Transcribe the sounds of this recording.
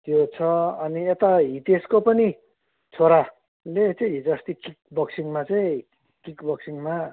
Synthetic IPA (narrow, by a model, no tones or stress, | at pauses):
t̪jot͡sʰʌʌniet̪aɦit̪eskopʌni | t͡sʰoɾa | let͡sʌ̃ĩɦid͡zʌst̪ikik̚bʌksiŋmat͡sʌĩ | kikbʌksiŋma